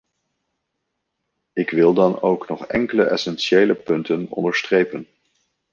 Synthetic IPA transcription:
ɪkʋɪlˠdɑnowknɔχɛŋkələʔɛsɛnʃejləpɵntənɔ̰ndəɹstrejpən

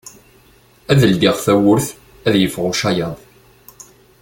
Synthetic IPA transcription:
æðəld̪iʁθæwʊɾθ | æðjəfʁʊʃæjɑðˤ

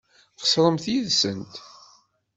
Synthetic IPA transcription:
qə̥sˤɾˤəmθjiðsənt̪

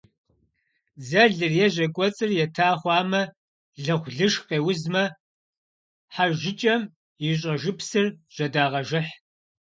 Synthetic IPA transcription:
zɐɮɨrjɛʑʷɐkʷʼɔt͡sʼɨrjɛtʰaːχʷɑːmɐ | ɮɨʁʷɮɨʂqeːwʊzmɐ | ħarʒɪt͡ʃʼɐm | jɪɕ̬ʼɐʒɨpsɨrʒ̥ɐdaːʁɐʒɨħ

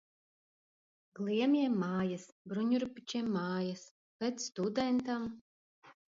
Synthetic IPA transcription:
ɡlˠiɛmʲiɛmːaːjasbɾuɲʲuɾupʲit͡ʃimːaːjas | pʲɛt̪ssːt̪ud̪ɛnt̪am

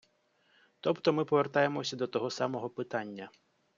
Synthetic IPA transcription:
t̪ɔpt̪ɔmɪpɔʋert̪ɑje̞mɔsʲɐd̪ɔt̪ɔɦɔsɑmɔɦɔpɪt̪ɑnʲːɐ

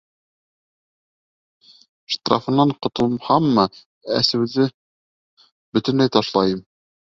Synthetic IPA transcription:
ʃt̪rɑ̰fɤ̆nːɑɴqŏt̪ŏlˠmhɑmːɤ | æ̰sɘ̆wðɘ | bɵt̪ɘ̆nlæjt̪ɑʃlˠɑjɤm

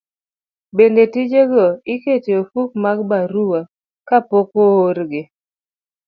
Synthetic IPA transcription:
bendetid͡ʒeɡɔɪketiofuk̚maɡ̚baɾuwa | kapokooɾɡɪ

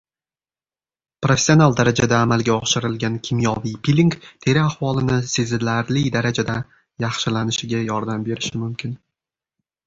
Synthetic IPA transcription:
pɾofʲe̥sijo̞nalˠd̪aɾad͡ʒad̪aːmalɡʲaɒʃɪɾɪlɡʲankʲʰɪmjɒvijpʰilʲiŋkt̪ʰe̞ɾɪahvɒlˠɪnɪsezɪlaɾlɪd̪aɾad͡ʒad̪a | jɑχʃɪlanɪʃɪɡʲajɒɾd̪ambe̞ɾɪʃɪmʊmkʲʰɪn

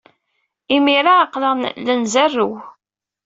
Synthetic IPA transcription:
imiɾaːqːləʁnlənzærːəw

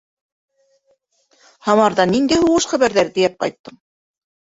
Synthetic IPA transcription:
hɑmɑɾðɑnind̪æjhuʁɤʃχæβæɾðæɾt̪ɘjæp̚qɑ̰jt̪ːɤɴ

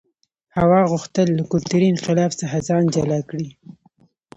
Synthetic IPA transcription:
hawɑɣʊxt̪əlːakʊlt̪uɾinxɪlɑfsaxazɑnd͡ʒalɑkɽi

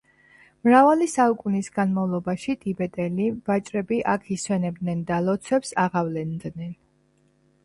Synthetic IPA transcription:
mɾavalisaukʼunisɡanmavlˠɔbaʃit̪ʼibɛt̪ʼɛlivat͡ʃʼɾɛbiʔakʰiswɛnɛbd̪nɛnd̪alɔt̪sʰwɛpsaʁavlɛnd̪nɛn

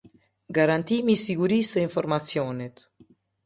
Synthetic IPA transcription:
ɡaɾant̪imisiɡuɾisɛiɱfɔɾmat͡sjɔnɛt̪

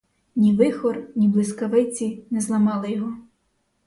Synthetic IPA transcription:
nʲiʋɪxɔrnʲiblˠɪskɐʋɪt͡sʲinɛzlˠɐmɑlˠɪjɔɦɔ

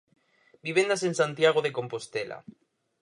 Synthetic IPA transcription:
biβend̪asensãnt̪jaɣ̞oðekõ̞mpost̪ela̰

